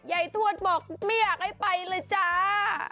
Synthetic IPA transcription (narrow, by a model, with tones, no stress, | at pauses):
ja˨˩jt̪ʰu˥˩ət̪̚bɔː˨˩k̚ma˥˩jːaː˨˩k̚ha˥˩jpa˧jlɤː˧jt͡ɕaː˧˩